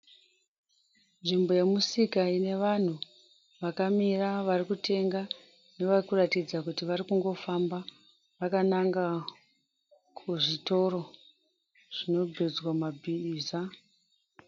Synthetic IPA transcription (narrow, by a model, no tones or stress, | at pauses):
nʐimbo̞je̞musikaine̞ʋan̤u | ʋakamiraʋarikute̞ŋɡa | ne̞ʋarikuratid͡zakutiʋarikuŋɡo̞famba | ʋakanaŋɡa | kʰuʐito̞ro̞ | ʐ̥ino̞bʱed͡zwamabʱiːza